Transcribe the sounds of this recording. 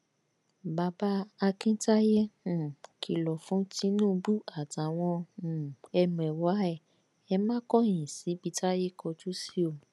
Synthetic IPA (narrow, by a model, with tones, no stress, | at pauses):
ba˧ba˦a˧kĩ˦ta˦jẽ˦˨ | kʰi˨˧˨lɔ˨fũ˨˦ti˦nũː˦˨˧bu˦a˦˨ta˨w̃ɔ̃˧˨ | ɛ˧m̃˨ɛ˨wa˨˦ɛ˦˨ | ɛ˧mãː˦kɔ˦˨j̃ĩ˨si˨˦bi˧ta˦je˦kɔ˧d͡ʒu˦si˦o˦˨